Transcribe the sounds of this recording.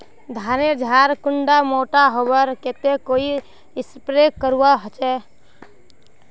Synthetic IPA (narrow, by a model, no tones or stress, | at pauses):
d̪ʱaːned͡ʒʱaːɾkʊɳɖamoːʈaɦobəɾket̪ekoi | ɪspɾekːəɾuaɦət͡ʃɛ